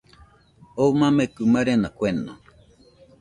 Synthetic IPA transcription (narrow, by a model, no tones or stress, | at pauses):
omãmekɨmaɾenakʷeno̰